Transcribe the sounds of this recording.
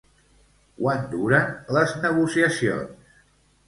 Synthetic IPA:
kwand̪uɾənləznəɣ̞usiəsio̰ns

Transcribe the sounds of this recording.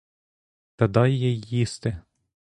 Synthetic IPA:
t̪ɐd̪ɑjjɛjːist̪ɪ

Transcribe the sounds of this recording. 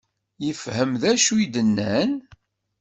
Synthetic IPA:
jəfhəmðæʃud̪ənːæn

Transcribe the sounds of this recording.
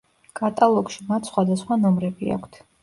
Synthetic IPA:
kʼat̪ʼalˠɔkʃimat̪ʰsχwad̪asχwanɔmɾɛbia̰kʷʰt̪ʰ

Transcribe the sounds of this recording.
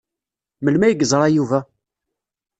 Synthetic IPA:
məlmæjəɡzˤɾˤɑjuvæ

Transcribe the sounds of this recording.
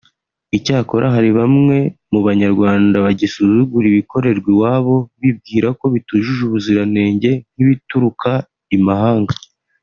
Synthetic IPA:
icaːko̞ɾʔaɦaɾiβamŋe̞muβaɲaɾɡwaːndaβaɟisuzuɡuɾiβiko̞ɾe̞ɾɡwiwaːβo̞βib̚ɡiːɾako̞βituʒuʒuβuziɾane̞ːɲɟe̞n̥hiβituɾuka | imaɦaːŋɡa

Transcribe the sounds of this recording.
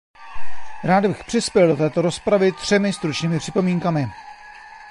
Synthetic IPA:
ɾaːd̪bɪxpr̝̥ɪspjɛldo̞t̪ɛːt̪o̞ɾo̞spɾavɪt̪r̝̥ɛmɪst̪ɾut͡ʃɲiːmɪpr̥ɪpo̞miːŋkamɪ

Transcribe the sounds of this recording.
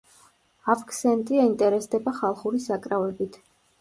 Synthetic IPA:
avkʰsɛnt̪ʼiaint̪ʼɛɾɛsd̪ɛbaχalˠχuɾisakʼɾavɛbit̪ʰ

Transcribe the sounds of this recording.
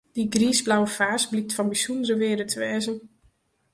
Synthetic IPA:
d̥iɡriːzblawəfaːsblik̚tfɔnbisundəɾəʋɪːɾətʰəʋɛːzən

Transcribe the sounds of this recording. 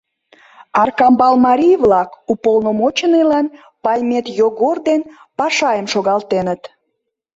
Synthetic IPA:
ɑrkɑmbɑlmɑɾʲijβlɑkupolnomot͡ɕənelɑn | pɑjmet̪joɣord̪en | pɑʃɑjəmʃoɣɑlt̪enət̪

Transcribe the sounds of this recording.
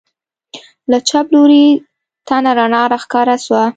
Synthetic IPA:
lat͡ʃabloɾi | t̪anaɾanɑɾaxkɑɾaswa

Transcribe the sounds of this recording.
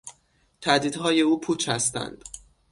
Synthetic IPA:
t̪ʰæd̪iːd̪ɦɒːje̞uːpʰuːt͡ʃʰhæst̪æ̰nd̪̥

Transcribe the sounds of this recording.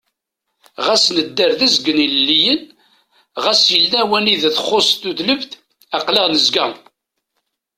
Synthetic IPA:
ʁæsnəd̪ːəɾðæzɡəniləlːijən | ʁæsjəlnæwæniðθəχːosˤt̪uðləvθ | æqleʁnəzɡæ

